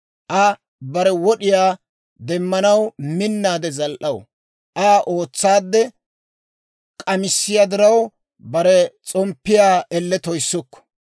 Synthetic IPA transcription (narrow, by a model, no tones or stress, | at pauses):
ʔɐ | bɐɾɛwɔɗɪjaː | d̪ɛmːɐnɐwmɪnːaːd̪ɛzɐlʔɐw | ʔaːʔo̞ːt͡sːaːd̪ːɛ | kʼɐmɪsːɪjaːd̪ɪɾɐw | bɐɾɛt͡sʼɔmpːɪjaːɛlːɛt̪ɔjsːɔkːɔ̥